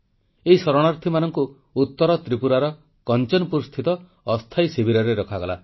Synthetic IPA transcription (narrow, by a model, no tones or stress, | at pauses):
eisɔɾɔɽ̃aɾt̪ʰimanɔŋkuː | t̪ːɔɾɔt̪ɾipuɾaɾɔ | kɔnt͡ʃɔnpuɾst̪ʰit̪ɔː | st̪ʰajsibʱiɾɔɾeɾɔkʰaɡɔla̰